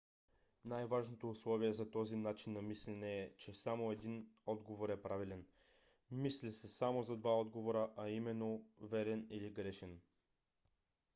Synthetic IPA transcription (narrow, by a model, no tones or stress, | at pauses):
najvaʒnot̪oːslˠɔviɛzɐt̪ɔzinat͡ʃinːɐmislɛnɛːt͡ʃɛsamoɛd̪inɔd̪ɡovoɾɛpɾavilɛn | mislʲisɛsamozɐd̪vaɔd̪ɡovoɾəʔaimɛnːovɛɾɛniliɡɾɛʃɛn